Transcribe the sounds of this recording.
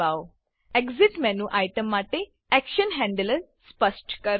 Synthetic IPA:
aw | ekziʈmɛnuʔajʈəmːaʈe | ɛkʃənɦɛ̃ɳɖələɾ | spəsʈkəɾ

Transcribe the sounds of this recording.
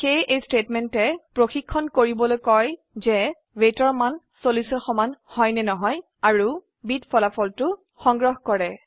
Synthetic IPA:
xejʔejstetmɛntɛpɹoxikʰːɔnkoɹibɔlojkɔj | zɛ | wetɔɹman | solisɔxɔmanhɔjnɛnɔɦɔj | aɹu | bitpʰɔlapʰɔltʊ | xɔŋɡɹɔɦkɔɹɛ

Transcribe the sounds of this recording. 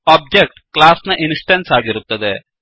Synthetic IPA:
oːb̚d͡ʒek̚ʈklaːsnɨʔinsʈɐnsaːɡiɾut̪ːɐðɨ

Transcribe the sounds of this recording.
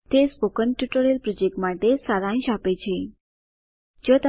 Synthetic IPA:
t̪espokənʈjuʈoɾijəlpɾɔd͡ʒek̚ʈmaʈesaɾãj̃ʃapet͡ʃʰe | d͡ʒot̪ə

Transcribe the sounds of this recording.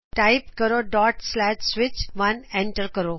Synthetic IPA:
ʈaɪpkəɾoɖɔʈslɛʃsʋɪt͡ɕʋanẽɳʈəɾkəɾo

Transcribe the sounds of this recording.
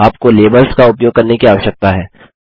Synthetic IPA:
aːp̚koleːbəlskaʊpjoːɡ̚kɐɾnekiaːʋəʃək̚t̪aɦɛː

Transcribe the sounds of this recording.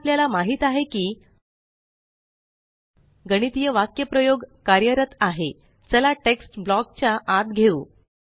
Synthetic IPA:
pljalamaɦiːt̪aɦekiː | ɡəɽ̃it̪ijəʋakjəpɾəjoɡkaɾjəɾət̪aɦe | səlaʈeksʈblɔk̚t͡ɕjaʔat̪ɡʱeuː

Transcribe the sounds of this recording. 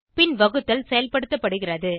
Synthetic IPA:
pɪnʋɐɣɯt̪ːɐlsɛjɐlpɐɽɯt̪ːɐpːɐɽɯɣɪrɐðɯ

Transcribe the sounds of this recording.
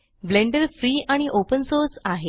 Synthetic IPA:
ʋleɳɖəɾfɾiːaɽ̃iʔopənsoɾsaɦe

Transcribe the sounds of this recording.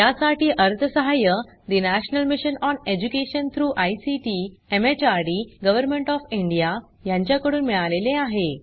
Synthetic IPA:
tjasaʈiːʔəɾt̪ʰəsəɦajə | d̪inæɕnəlmiɕənɔned͡ʑukeɕənt̪ʰɾuːʔajsiʈiemet͡ɕaɾɽiːɡəʋəɾmeɳʈɔfiɳɖija | jãɲt͡ɕjakəɽuːnmiɭaleleaɦe

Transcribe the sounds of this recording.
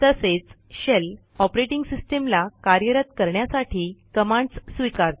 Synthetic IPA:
t̪əset͡s | ɕel | ɔpɾeʈiŋɡsisʈemlakaɾjəɾət̪kəɾɳjasaʈʰiːkəmãɳɖssʋikaɾt̪

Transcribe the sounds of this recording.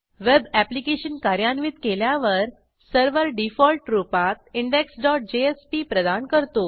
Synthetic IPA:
ʋebæplikeɕənkaɾjanʋit̪keljaʋəɾ | səɾʋəɾɖifɔlʈɾupat̪̚iɳɖeksɖɔʈ̚d͡ʑeespipɾəd̪ankəɾt̪o

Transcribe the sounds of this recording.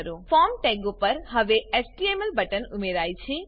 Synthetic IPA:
ɾoːfaːmʈɛ̃ːɡopɐɾɦɐʋeesʈiemelbɐʈənʊmeɾaːit͡ʃʰi

